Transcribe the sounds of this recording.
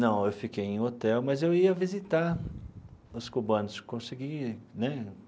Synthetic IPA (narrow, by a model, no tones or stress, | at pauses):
nɐ̃w̃ewfikejẽj̃ot̪ɛwmɐzewiɐvizit̪aɾ | ʊskubɐ̃nʊskõsiɡinɛ